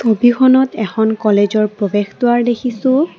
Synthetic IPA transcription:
kobixɔnɔtɛxʰɔnkɔled͡ʒɔɹpɹɔbextʊwaɹdekʰisʊ̃

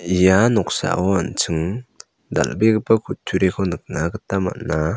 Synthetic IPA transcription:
ijanɔk̚sa̰ʔɔant͡ʃʰɯŋ | d̪a̰lbeɡɯpakʰutʰuɾekʰɔnɯk̚naɡətama̰na

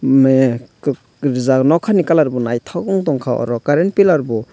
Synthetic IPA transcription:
m | ɾizanawkʰanikalaɾbɔnajtʰawɡɔŋtɔŋkʰawa̰ɾɔkaɾenpilaɾbɔ

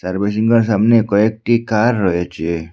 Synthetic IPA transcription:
saɾbes̬iŋɡɔɾs̬amnekɔek̚ʈikaɾːɔɦet͡ʃʰe

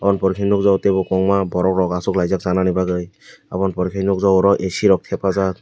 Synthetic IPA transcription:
apɔnpɔɾikʰinɔk̚zɔwtebɔkɔŋmabɔɾɔkɹɔɡasɔklajzak̚zananibaɡɯj | apɔnpɔɾikʰinɔk̚zawɔɾɔʔesiɾɔk̚tʰɛpaza

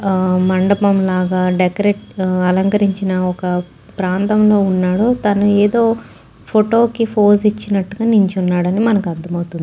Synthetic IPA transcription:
mɐɳɖɐpɐmlaːɡaːɖekɐɾeʈɐlɐŋkɐɾiɲt͡ʃinɐɔkɐ | pɾaːnt̪ɐmlo̞ːunːaːɽoːt̪ɐnueːd̪o̞ː | pʰoʈo̞ːkipʰoːsit͡ʃːinɐʈːuɡaːnuɲt͡ʃunːaːɽɐnimɐnɐkuɐnd̪ɐmɐwut̪und̪i

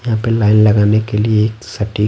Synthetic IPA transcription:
jɐɦãpelaːɪnlɐɡaːnekelieːksɐʈi

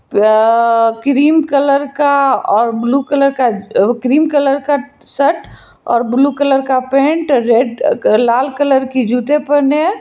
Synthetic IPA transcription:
p | kɾiːmkələɾkaɔːɾbluːkələɾkakɾiːmkələɾka | səʈ | ɔ̰ːɾbluːkələɾkapẽːɳʈɾeːɖlaːlkələɾkid͡ʒuːt̪epəne

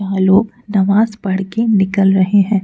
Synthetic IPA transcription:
aːloːɡ | nɐʋaːzbɐɽ̤kenɪkəlɾɐɦeɦɛ̃ː

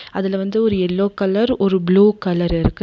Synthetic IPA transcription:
ɐðɪlʋɐnd̪ɯɔɾɯɛlːoːkɐlɐɾɔɾɯbluːkɐlɐɾɪɾɯkːɯ

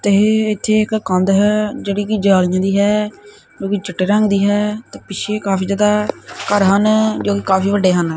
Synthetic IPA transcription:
t̪eɪt̪ʰːeːɪkkə̃nd̪ɦɛd͡ʒeːɽiːkid͡ʒaːlɪjãːd̪iːɦɛː | d͡ʒõːkid͡ʒɪʈːeːɾə̃ŋɡd̪iːɦɛːt̪ẽːpɪt͡ʃʰeːkaːpiːaːd̪aːkəɾɦənd͡ʒoːkikaːfʰiːʋəɖːeːɦənː

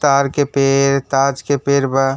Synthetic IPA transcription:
t̪aːɾkepeːɾt̪aːd͡ʒkepeːɾbə

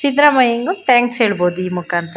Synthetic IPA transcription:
t͡ʃid̪ɾɐmɐjɐŋɡut̪ʰaːŋksɦeːɭboːd̪uiːmukaːnt̪ɾɐ

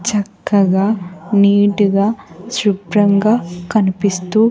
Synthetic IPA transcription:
t͡ʃɐkːɐɡaːniːʈuɡaːsɾupɾɐŋɡaːkɐnipist̪uː

